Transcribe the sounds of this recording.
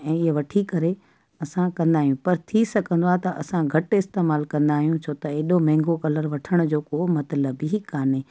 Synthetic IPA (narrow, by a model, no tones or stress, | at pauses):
ɛ̃ːɪɦeʋɐʈʰikɐɾe | ɐsãkɐ̃nd̪aːɦijũpɐɾt̪ʰisɐkə̃nd̪oaːt̪ɐʔɐ̰sãɡʱɐʈɪst̪eːmaːlkɐ̃nd̪aːɦijũt͡ɕʰoːt̪ɐɪːɗomɛ̃ɦːŋɡokɐləɾʋɐʈʰəɽ̃ʊd͡ʑoːkomɐt̪ləbikaːneː